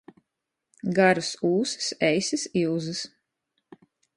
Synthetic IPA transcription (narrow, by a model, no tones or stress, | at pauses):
ɡaɾusuːsɨ̥sɛjsɨsilzɨs